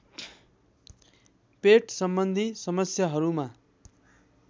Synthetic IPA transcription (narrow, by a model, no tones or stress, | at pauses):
peʈsʌmbʌnd̪ʱisʌmʌsjʌɦʌɾuma